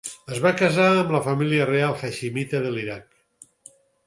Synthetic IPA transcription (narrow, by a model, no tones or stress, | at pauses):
əzβakəzaəmləfəmiliərealˠxaʃimit̪əðəliɾak̚